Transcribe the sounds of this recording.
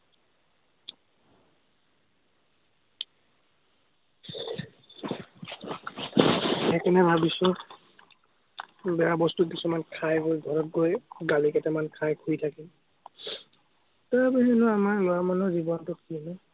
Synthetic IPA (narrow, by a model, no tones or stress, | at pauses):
ɛkɛnɛbʱabisʊ | bɛjabɔstut̚pisumankʰajɡojɡʱɔɹɔt̚ɡojɡalikɛtɛmankʰajkʰujtʰakɛ | taɹbaɦɛnʊamaɹlɔamanɔzibɔntɔt̚kinɔ